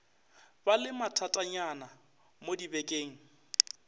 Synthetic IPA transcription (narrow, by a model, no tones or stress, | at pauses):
balɪmatʰatʼaɲana | modibɛkʼeːŋ̩